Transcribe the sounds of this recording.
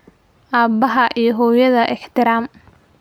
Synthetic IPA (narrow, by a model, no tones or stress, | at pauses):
ʔaːbɐɦɐʔijɔɦɔːjɐðɐʔɛħt̪ʰɪɾaːm